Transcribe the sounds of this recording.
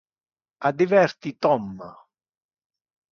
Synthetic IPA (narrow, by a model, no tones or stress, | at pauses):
ad̪ivɛɾt̪it̪ɔmːa̰